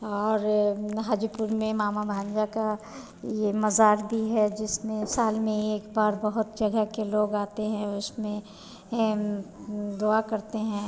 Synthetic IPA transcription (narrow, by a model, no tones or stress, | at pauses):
ɔːɾɦaːd͡ʒupʊɾmẽmaːmabʱãːnd͡ʒaka | jemɐzaːɾd̪iɦɛd͡ʒɪsmẽsaːlmẽeːkbaːɾbɐɦʊt̪̚d͡ʒɐɡəkeloːɡaːt̪eɦɛ̃ʊsmẽ | d̪oakɐɾt̪eɦɛ̃ː